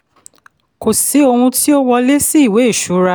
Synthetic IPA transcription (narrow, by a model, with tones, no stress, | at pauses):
ko˨si˨˦o˧hũ˧ti˦o˦wɔ˧le˦si˦i˦˨we˨˦e˦˨ʃu˨˦ɾa˧